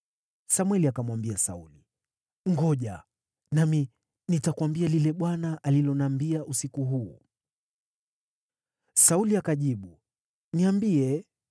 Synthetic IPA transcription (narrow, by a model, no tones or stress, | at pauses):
samwɛliakamwambiasa̰uli | ŋɡɔʄa | nami | nitakuwambialilɛɓwanaʔalilɔnambiaʔusikuɦuː | sauliakaʄiɓu | niambiɛ